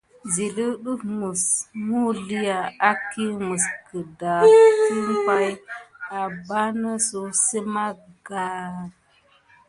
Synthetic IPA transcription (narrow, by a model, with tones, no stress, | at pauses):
zi˨li˦ɗu˦fmu˨smu˦li˦ja˨a˦ki˦mu˨skə˨da˨ti˦m˦pa˦ja˨ba˦nə˦so˨sə˦ma˦ɡa˦